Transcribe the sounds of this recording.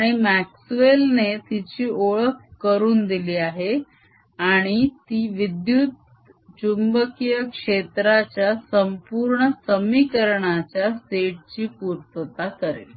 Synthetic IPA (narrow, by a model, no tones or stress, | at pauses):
aɽ̃imæksʋelnet̪it͡ɕiːʔoɭəkkəɾuːnd̪iliːaɦe | aɽ̃it̪iːʋid̪jut̪ | t͡ɕumbəkijəkʂet̪ɾat͡ɕjasəmpuɾɳəsəmikəɾɳat͡ɕjaseʈ̚t͡ɕiːpuɾt̪ət̪akəɾḛ